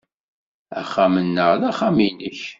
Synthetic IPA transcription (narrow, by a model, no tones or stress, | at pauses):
æ̰χamənːəʁlæχaminəç